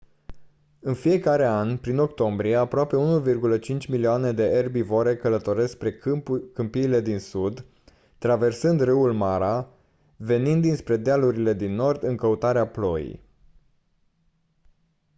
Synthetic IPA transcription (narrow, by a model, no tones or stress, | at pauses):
ɨnfije̞kaɾe̞anpɾino̞kt̪o̞mbɾije̞apɾoape̞unuvirɡulət͡ʃint͡ʃʲmilioane̞d̪e̞ʔerbivoɾe̞kələt̪o̞ɾe̞spɾekɨmpiːle̞d̪insud̪ | t̪ɾave̞rsɨnd̪rɨwulmaɾa | ve̞nind̪ːinspɾe̞d̪ealuɾile̞d̪inːo̞rd̪ɨŋkəut̪aɾeaplo̞jḭj